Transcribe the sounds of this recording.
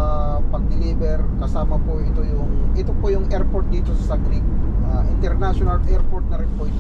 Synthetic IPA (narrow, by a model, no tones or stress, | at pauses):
pɐɡ̚d̪ɪliːbɛɾkɐsaːmɐpoʔɪt̪o̞jʊŋʔɪt̪o̞pojʊŋʔɛɹpoɹt̪̚d̪iːt̪o̞sɐsɐɡɾik̚ʔaʔɪnt̪ɛɾnaʃonɐlʔɛɹpoɾt̪̚nɐɾɪnpo